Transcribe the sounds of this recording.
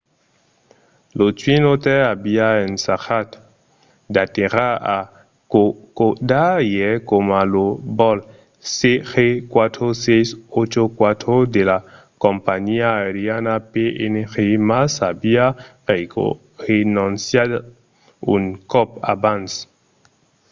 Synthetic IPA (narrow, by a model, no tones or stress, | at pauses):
lot͡ʃwinot̪eabiaensaxat̪ | d̪at̪eɾaa | okodajekomalobɔl | sexekwat̪ɾosejsot͡ʃokwat̪ɾod̪ela | kompaɲiaeɾjanapeʔenexemasabia | ʁenɔnsjad | ṵŋkɔpa̰bans